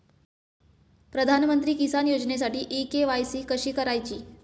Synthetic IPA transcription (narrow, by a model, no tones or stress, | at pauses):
pɾəd̪ʱanmənt̪ɾiːkisanjod͡ʑnes̬aʈiːʔikeʋajsiːkəɕiːkəɾajt͡ɕiː